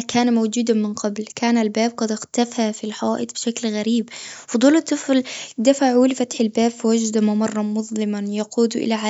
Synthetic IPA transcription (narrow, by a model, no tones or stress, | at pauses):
kaːnamawd͡ʒuːd̪amɪnqɑblkaːnalbaːb̚qɑd̪ɪxt̪afhafilħɑaːʔɪt̪bɪʃaklɣaɾiːbfʊd̪ˤuːlːɨt̪ˤːɨfld̪afaʕuːlfat̪ħɪlbaːbfiwad͡ʒd̪amamɑrˤːɑmʊðˤlɪmanjɑquːd̪ʔɪ̰laʕa